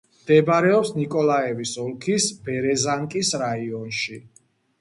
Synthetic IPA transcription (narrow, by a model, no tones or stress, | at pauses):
md̪̥ɛbɾɛɔpsnikʼɔlaɛvisɔlˠkʰisbɛɾɛzaŋkʼisɾaiɔnʃi